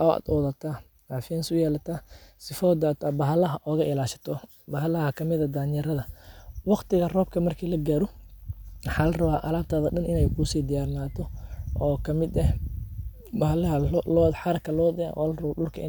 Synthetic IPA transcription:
ʔɔʔa̰ːd̪ɔːðɐt̪ʰa | ɡaːfɪansʊjɛːlɐt̪ʰaːsɪfɔːd̪aːt̪ʰɐbɐɦɐlɐɦɐʔɔːɣɐʔɪlaːʃɐ̥t̪ʰɔ | bɐɦlɐhɐkʰɐmɪðɐd̪aːnjɛɾɐðɐwɑqt̪ɪɣɐrɔːb̚kʰɐmɐrkʰiːlɐɡaːɾɔ | wɑħaːlɐrɐβaːʔɐlaːb̚t̪ʰaːðɐɗɐnʔɪnɛjkʰʊsiːd̪ɪjaːrnaːt̪ʰɔʔɔːkʰɐmɪd̪ɐh | bɐɦlɐɦɐlɔːðħɑɾɐkʰɐlɔːd̪ɛ̰ɔ̰lɐrɐwɐɗʊlkʰɐɪ

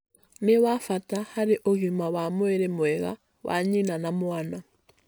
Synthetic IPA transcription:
niwafatahaɾiʔoɣimawamweɾemweɣa̰ | wʔa̰ɲinanamwaːna

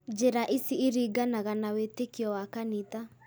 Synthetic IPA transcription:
d͡ʒeɾaʔisiːɾiɡanaɣanawetekiɔwakanita

